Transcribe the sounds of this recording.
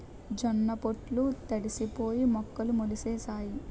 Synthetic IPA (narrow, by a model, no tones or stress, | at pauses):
d͡ʒɐnːɐpoʈlut̪eɽisipoːjimɔkːɐlumoliseːsaːji